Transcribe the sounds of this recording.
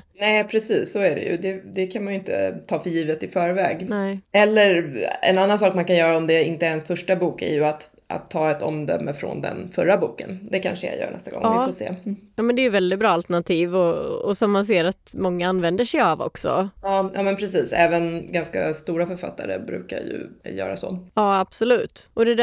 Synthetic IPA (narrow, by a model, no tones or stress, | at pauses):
nɛɪpʰɾɛsiːsːɔæɖɛ̰jɵ̰d̪ɛd̪ɛkʰanmanjɵɪnt̪ə̰t̪ʰɑːfœɾjiːvət̪ɪfœːɾvɛːɡnɛɛlːəɾɛ̰nanːansɑːkmankanjœːɾaɔmd̪ɛɪnt̪əɛnsfœʂʈabuːkæ̰ɾjɵat̪ | ʔa̰t̪ʰːɑːɛt̪ɔ̰md̪œmːəfɾɔ̰nd̪ɛ̰nfœɾːabuːkənd̪ɛkʰa̰nʂəja̰jœ̰ːɳɛ̰st̪aɡɔ̰ŋɪːfosḛːjɑːmɛnd̪ɛːjʏvɛld̪ɪt̪̚bɾɑːalt̪ɛɳat̪ʰiːvɔɔsɔmːans̬eːɾat̪mɔŋːaanːvɛnd̪əʂɛjavɔ̰ksɔ̰ɑːjʔɑ̰ːmɛnpʰɾɛsiːsɛːvənɡanskast̪uːɾafœɾfa̰t̪ʰːaɾə̰bɾʉ̟ːka̰jɵ̰jœ̰ːɾasɔ̰jɑːab̥sɔlʉ̟ːt̪ʔɔd̪ɛd̪